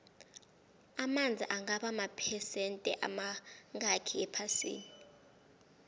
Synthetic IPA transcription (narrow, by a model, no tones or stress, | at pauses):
amand͡zʱiʔaŋaɓamapʰɛsɛntʼɛ̰ʔa̰maŋakʰiɛpʰasḭːni